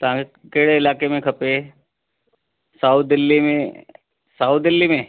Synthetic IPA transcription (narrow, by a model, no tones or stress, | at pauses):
t̪ɦãkeɽeɪlaːkemẽkʰɐpe | saut̪̚d̪ɪlːimẽ | saut̪̚d̪ɪlːimẽː